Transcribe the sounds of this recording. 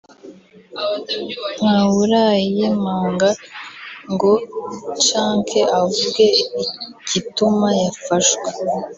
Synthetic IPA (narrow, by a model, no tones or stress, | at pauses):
n̥awuɾajijemaːŋɡa | ŋɡo̞t͡ʃaːŋkʰeʔavuɡe̞icitumajafaʃɡwe